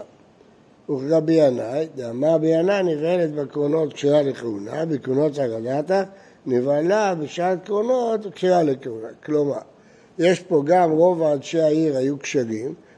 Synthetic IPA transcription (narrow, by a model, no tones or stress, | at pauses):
uχʁabianajd̪amabiananivelet̪bekʁono̞t̪kʃiʁalekeunabekʁonot̪haʁadat̪a | nivalabeʃatkʁonot̪kʃiʁalekeuna̰kloma̰ʁ | jeʃpo̞ɡamʁo̞vaːdʃeaiʁajukʃaʁim